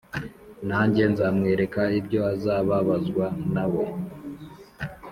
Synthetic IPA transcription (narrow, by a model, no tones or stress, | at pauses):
nhaːɲɟe̞nzamŋe̞ːɾe̞kaibɟo̞azaːβaβazɡwanaβo̞